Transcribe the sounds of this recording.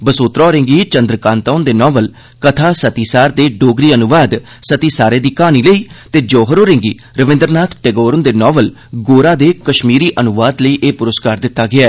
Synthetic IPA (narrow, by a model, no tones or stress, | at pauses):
bəsoːt̪ɾɔːɾɪ̃ŋɡiːt͡ʃənd̪ɾəkãːnt̪aːnd̪eːnɔːʋəl | kət̪ʰaːsət̪iːsaːɾd̪eːɖoːɡɾiːənʊʋaːd̪ | sət̪iːsaːɾeːd̪iːkaːniːləiːt̪eːd͡ʒoːɦəɾoːɾɪ̃ŋɡiː | ɾəʋɪ̃nd̪əɾnaːt̪ʰʈeɡoːɾənd̪eːnɔːʋəl | ɡoːɾaːd̪eːkəʃmiːɾiːʔənʊʋaːd̪ləiːʔeːpʊɾəskaːɾd̪ɪt̪ːaːɡɪaɛː